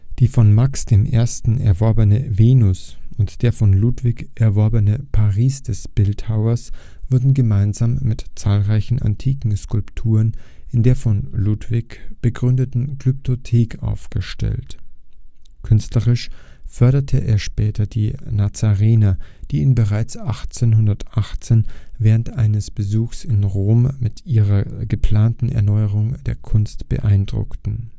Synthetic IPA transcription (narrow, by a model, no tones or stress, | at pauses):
d̥iːfɔnmaksd̥eːmʔḛːɐstn̩ɛ̰ɐvɔɐbənəveːnʊsʔʊntd̥eːɐfɔnluːtv̥ɪkʔɛɐvɔɐbənəpʰaʁiːsd̥ɛsb̥ɪlthaʊɐs | v̥ʊɐdn̩ɡəmaɪnzaːmːɪtt͡saːlʁaɪçn̩a̰ntʰiːkŋ̩skʊlptʰuːʁənɪndeːɐfɔnluːtv̥ɪkb̥əɡʁʏndətn̩kʁ̥ʏp̚tʰotʰeːkʰʔa̰ʊfɡ̥əʃtɛ̰lt | kʰʏnstləʁɪʃ | fœɐɾɐtʰəʔḛːɐʃpɛːtʰɐdiːnat͡saʁeːnad̥iːiɪnbəʁaɪt͡sʔaχt͡seːnhʊndɐtʔaχt͡seːnvɛːʁəntʔaɪnəsb̥əzuːxsɪnʁoːmmɪtʔiːʁɐɡəpʰl̥aːntn̩ɛ̰ɐnɔʏəʁʊŋd̥eːɐkʰʊnstb̥ə̰ʔaɪndʁʊ̰ktn̩